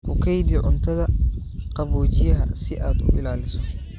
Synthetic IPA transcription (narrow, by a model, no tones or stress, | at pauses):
ʔʊkʰɛjd̪jʕʊnt̪ʰɐðɐqɑβɔːt͡ʃɪjɐɦɐsɪʔaːd̪ʊ̰ɪlaːlɪsɔ